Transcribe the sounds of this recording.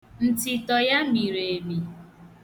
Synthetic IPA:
n̩˨tɪ˨tɔ˨ja˦mi˨ɾe˨e˨mi˨

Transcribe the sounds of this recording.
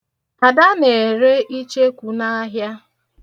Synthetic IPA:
a˨da˦ne˨ɾe˦ʔi˦t͡ʃe˦kʷu˨na˦a˦ɦja˦

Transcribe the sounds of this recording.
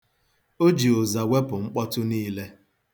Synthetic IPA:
o˦d͡ʒi˨o˨za˨we˦pʊ˨ŋ͡m̩˦k͡pɔ˦tʊ˦niː˦le˦

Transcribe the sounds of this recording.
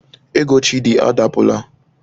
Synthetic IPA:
e˦ɡo˨˦t͡ʃi˦di˨ʔa̰˦da˨pʊ˨la˦

